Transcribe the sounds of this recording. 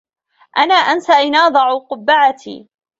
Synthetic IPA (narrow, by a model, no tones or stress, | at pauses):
ʔanaːʔansaʔɪnɑːd̪ˤɑʕuqʊbːaʕat̪ḭː